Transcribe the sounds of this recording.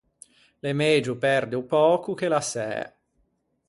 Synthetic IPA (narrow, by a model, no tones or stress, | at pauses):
lemeːd͡ʒupɛrd̪eupɔːkuk̟elasɛ̰ː